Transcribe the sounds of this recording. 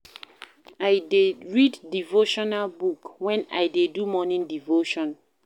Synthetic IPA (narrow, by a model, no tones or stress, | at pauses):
ajdeɹiddivoʃɔnalbukwɛ̃na̰jdedumɔnĩndivoʃɔ̃n